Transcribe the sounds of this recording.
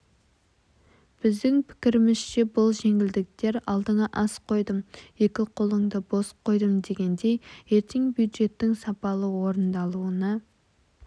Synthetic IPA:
b̥ɪzd̪ɪŋpʰɪ̥kʲɪɾɪmɪz̥ʃe̞bʊlˠʒe̞ŋɪld̪ɪk̚t̪e̞ɾɑlˠd̪əɴɑʔɑsqʰo̞jd̪əmje̞kʲɪqʰo̞lˠəɴd̪əbo̞sqʰo̞jd̪əmd̪e̞ɡʲe̞nd̪e̞jje̞ɾt̪ʰeŋbjud̪ʒe̞t̪ːɪŋsɑpɑlˠəwo̞ɾənd̪ɑlˠuənɑ

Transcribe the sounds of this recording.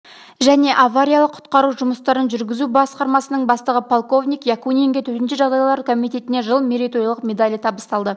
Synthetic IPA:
ʒæne̞ʔɑvaɾʲijɑlˠəqʰːʊ̥t̪qɑɾuʒʊməst̪ɑɾənʒʏɾɡʲɪzubɑsqɑɾmɑsənəɴbɑst̪əʁəpʰolˠko̞vnʲijkjɑkuneŋɡʲet̪ʰɵɾt̪ɪnʃɪʒɑʁd̪ɑjɑlˠɑɾkʰomijt̪ʲe̞t̪ɪne̞ʒəlˠmʲeɾit̪oɾjlˠəqmʲe̞d̪alʲijt̪ʰɑbəst̪ɑlˠd̪ə

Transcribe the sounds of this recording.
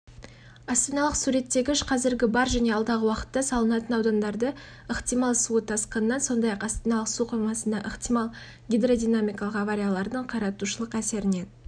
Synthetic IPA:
ast̪inɑlˠəqsuɾe̞t̪ːe̞ɡʲɪʏʃqʰɑzɪɾɡʲɪbɑɾʒæne̞ɑlˠd̪ɑʁəwɑqə̥t̪ːɑsɑlˠənɑt̪ənɑwd̪ɑnd̪ɑɾd̪ə | əχt̪ijmɑlˠsuət̪ʰɑsqənənːɑnso̞nd̪ɑjɑqast̪inɑlˠəqsuqʰojmɑsənd̪ɑʔəχt̪ijmɑlˠ | ɡʲijd̪ro̞d̪ijnamʲijkɑlˠəqɑvaɾʲijalˠɑɾd̪əɴqʰɑɾɑt̪uʃəlˠəqæse̞ɾɪne̞n

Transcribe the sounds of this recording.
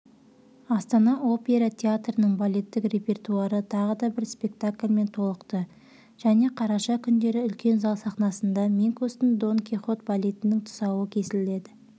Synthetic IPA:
ɑst̪ɑnɑʔo̞pʲe̞ɾat̪ʲʰeat̪rənəɴbolʲe̞t̪ːɪkrʲe̞pʲe̞rt̪uaɾət̪ʰɑʁəd̪ɑbɪɾspʲe̞k̚t̪akʲlʲme̞nt̪ʰo̞lˠəqt̪ə | ʒ̥æne̞qʰɑɾɑʃɑkʲʰʏnd̪e̞ɾɪʏlkʲe̞nzɑlˠsɑχnɑsənd̪ɑmʲiŋkost̪ɪnd̪o̞ŋkʲiχo̞t̪bolʲet̪ɪnɪŋt̪ʰʊ̥sɑwəkʲʰe̞sɪlle̞d̪ɪ

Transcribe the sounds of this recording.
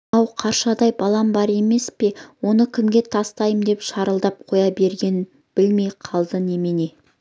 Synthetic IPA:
ɑwqʰɑɾʃɑd̪ɑjbɑlˠɑmbɑɾe̞me̞spe̞wo̞nəkʲʰɪmɡʲe̞t̪ʰɑst̪ɑjəmd̪e̞pʃɑɾəlˠd̪ɑp̚qʰo̞jɑbe̞ɾɡʲe̞nɪn | bɪlme̞jqʰɑlˠd̪əne̞mene̞

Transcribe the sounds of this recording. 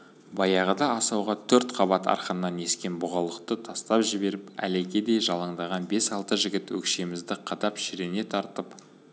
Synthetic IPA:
bɑjɑʁəd̪ɑɑsɑwʁɑt̪ʰɵɾt̪qʰɑbɑt̪ɑ̰ɾqənːɑne̞skʲe̞nbʊʁɑlˠəqt̪ət̪ʰɑst̪ɑpʒɪbe̞ɾɪpæ̰leɡʲed̪e̞jʒɑlˠəɴd̪ɑʁɑnbe̞sɑlˠt̪əʒɪɡʲɪt̪wɵ̰kʃe̞mɪzd̪ɪqʰɑd̪ɑpʃɪɾene̞t̪ʰɑɾt̪əp

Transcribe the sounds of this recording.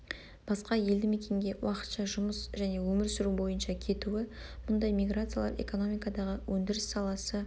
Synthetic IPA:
b̥ɑsqɑje̞ld̪ɪme̞kʲe̞ŋɡʲe̞wʔɑqə̥t̪ʃɑʒʊməsʒæne̞wɵmɪɾsʏɾubo̞jənʃɑkʲʰe̞t̪uwɪm̥ʊnd̪ɑjmijɡrat̪sɨjalˠɑ̰ɾe̞̰ko̞no̞mijkɑd̪ɑʁəwʔɵnd̪ɪɾɪsːɑlˠɑsə

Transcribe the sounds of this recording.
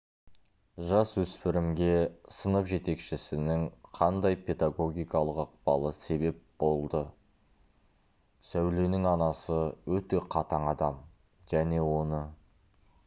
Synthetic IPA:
ʒɑswɵspɪɾɪmɡʲe̞sənəpʒe̞t̪e̞kʃɪsɪnɪŋqʰɑnd̪ɑjpe̞d̪aɡo̞ɡʲijkɑlˠəqɑq̚pɑ̰lˠəse̞be̞p̚bo̞lˠd̪ə | sæwle̞nɪŋɑnɑsəwɵt̪e̞qʰɑt̪ɑɴɑd̪ɑm | ʒ̥æne̞wo̞nə

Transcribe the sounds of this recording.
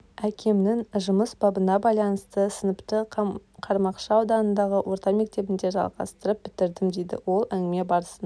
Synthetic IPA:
ækʲʰe̞mnɪŋʒʊməsbɑbənɑbɑjlˠɑnəst̪əsənəpt̪əqʰɑɾmɑqʃɑːwd̪ɑnənd̪ɑʁəwʔo̞ɾt̪ɑme̞k̚t̪e̞bɪnd̪e̞ʒɑ̰lˠʁɑ̰st̪əɾəp̚b̥ɪt̪ɪɾd̪ɪmd̪ejd̪ɪ̰wo̞lˠæŋɡɪme̞bɑɾəsən

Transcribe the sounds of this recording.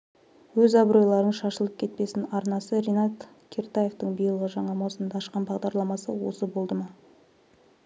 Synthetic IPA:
wɵzɑbɾo̞jlˠɑɾənʃɑʃəlˠəp̚kʲʰe̞t̪̚pe̞sɪnɑɾnɑsəɾenɑt̪ | kʲʰert̪aje̞ft̪əɴbijəlˠʁəʒɑɴɑmɑwsənd̪ɑʃqɑnbɑʁd̪ɑɾlˠɑmɑsə̰wo̞̰səbo̞lˠd̪əmɑ

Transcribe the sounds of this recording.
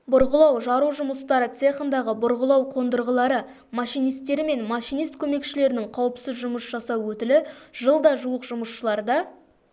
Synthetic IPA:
bʊɾʁəlˠɑwʒɑɾuʒʊməst̪ɑɾət̪se̞χənd̪ɑʁəbʊɾʁəlˠɑwqʰo̞nd̪əɾʁəlˠɑɾə | mɑʃijnijst̪ːe̞ɾɪme̞nmɑʃijnijst̪̚kʲʰɵme̞kʃɪle̞ɾɪnɪŋqʰɑwəpsɪzʒʊməsʒ̥ɑsɑwwɵt̪ɪlɪʒ̥əlˠd̪ɑʒuəqʒʊməsʃəlˠɑɾd̪ɑ

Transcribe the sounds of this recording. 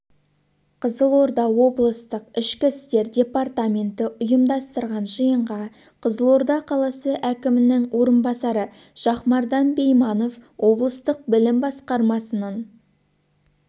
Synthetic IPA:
qʰəzəlˠo̞ɾd̪ɑwo̞blˠəst̪əqɪʃkʲɪst̪e̞ɾdʲe̞part̪amʲe̞nt̪ɪʔʊjəmd̪ɑst̪əɾʁɑnʒijəɴʁɑ | qʰəzəlˠo̞ɾd̪ɑqʰɑlˠɑsəʔækʲɪmɪnɪŋwo̞ɾənbɑsɑɾəʃɑχmɑɾd̪ɑnbe̞jmɑno̞fwʔo̞blˠəst̪əq̚bɪlɪmbɑsqɑɾmɑsənɑɴ

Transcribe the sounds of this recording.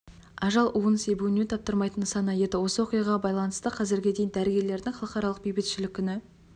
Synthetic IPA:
ɑʒɑlˠʔuənsejbuɪnet̪ʰɑp̚t̪əɾmɑjt̪ənsɑnɑje̞d̪ɪwo̞səwoqijɑʁɑbɑjlˠɑnəst̪əqʰɑzɪɾɡʲe̞d̪e̞jɪnd̪æɾɪɡʲe̞ɾle̞ɾd̪ɪŋχɑlˠəqɑɾɑlˠəq̚bejbɪt̪ʃɪlɪkʲʰːʏnɪ

